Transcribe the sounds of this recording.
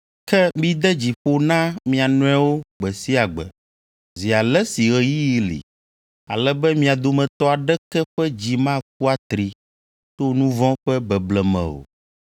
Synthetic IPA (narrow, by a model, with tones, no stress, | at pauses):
kɛ˦mĩ˦d̪ɛ˦d͡ʑi˨ɸo˦nã˦mĩ˨a˨nɔ̃˦a˦wo˦ɡ͡bɛ˨si˦a˨ɡ͡bɛ̰˨ | zi˨a˨lɛ˦si˨ɣɛ˨ji˦˨lḭ˨ | a˨lɛ˦bɛ˦mĩ˦a˨d̪o˨mɛ̃˨t̪ɔ˦a˨ɖɛ˦kɛ˦ɸɛ˦d͡ʑi˨mã˦k̚u˦a˦t̪ɾi˨ | t̪o˦nũ˦vɔ̃˦ɸɛ˦bɛ˨blɛ˨mɛ̰̃˨o̰˨